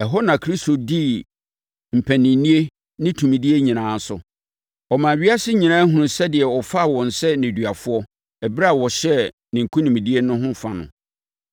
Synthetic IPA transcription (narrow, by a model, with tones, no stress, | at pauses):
ɛ˨ɦɔ˦nã˨kʰɾi˦sto˨di˦ | m̩˨pʰæ̃˨nɪ̃˨˦nĩ˦e˦ | nɪ̃˦tʰũ˨mĩ˨di˦e˦ɲĩ˨nãː˨˦n̩˦sʊ̰˨ | ɔ˨mã˨ɥi˦a˦sɪ˦ɲĩ˨nãː˦ɦʊ̃˨˦˨sɛ˦dɪ˨ɛ˨ɔ˨fa˦˨wɔ̃˨n̩˨sɛ˦nɪ̃˨dɥa˨fʊ˦ɔ˦ | ɛ˨bɾa˦˨wɔ˨ɕɛ˦ | nɪ̃˨ŋ̩˨kʰũ˦nĩ˨m˨di˦e˦nʊ̃˦ɦʊ̃˦fa˦nʊ̰̃˨